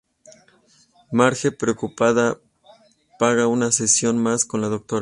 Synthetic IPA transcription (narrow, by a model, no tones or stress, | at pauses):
maɾxepɾeokupaða | paɣaunasesjo̞nmasko̞nlaðok̚t̪oɾa